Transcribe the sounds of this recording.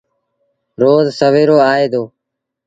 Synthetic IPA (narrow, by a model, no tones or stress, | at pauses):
ɾoːzsəʋeːɾoːaːeːd̪oː